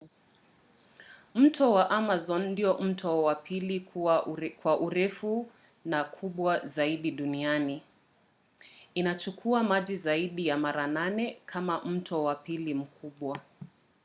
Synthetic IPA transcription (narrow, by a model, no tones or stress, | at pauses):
m̩tʰɔwaʔamazɔnndiɔm̩tʰɔwapʰilikakwaʔuɾɛfu | nakʰuɓwazaiɗiɗuniani | inat͡ʃukʰuamaʄizaiɗijamaɾananɛkʰamam̩tʰɔwapilim̩kʰuɓwa